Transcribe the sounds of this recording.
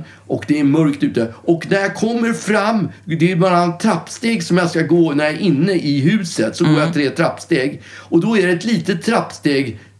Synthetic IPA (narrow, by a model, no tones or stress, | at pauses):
ɔkd̪ɛæɾmœɾkt̪ʉ̟ːt̪əɔknæɾjakʰɔmːəɾfɾamːd̪ɛæbaɾat̪ʰːɾapːst̪eːɡsɔmjaskaɡoːnæɾjaæɾʔɪnːəʔɪɦʉ̟ːsət̪sɔfoːɾjat̪ʰɾeːt̪ʰɾapːst̪eːɡɔd̪ɔæɖɛɛt̪liːt̪ət̪ʰːɾapːst̪eːɡ